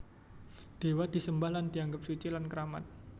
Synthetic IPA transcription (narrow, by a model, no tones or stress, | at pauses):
d̪̥e̤wad̪̥i̤səmbahland̥iaŋɡəp̚sut͡ʃilankəɾamat̪̚